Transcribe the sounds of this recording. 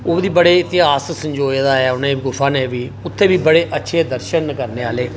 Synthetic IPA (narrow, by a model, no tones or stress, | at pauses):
ʊd̪iːbəɽeːɪt̪ɪɦaːssəɲd͡ʒoːjd̪aːɛʊnãːɡʊfʰaːneːʋiːʊt̪ʰːeːʋiːbəɽeːʔətːʃʰeːd̪əɾʃənkəɾneːaːleː